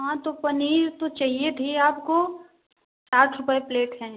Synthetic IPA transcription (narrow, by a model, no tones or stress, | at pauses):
ɦãt̪opɐniːɾt̪ot͡ʃaːɦiet̪ʰiaːpko | saːʈʰɾʊpepleːʈɦɛ̃ː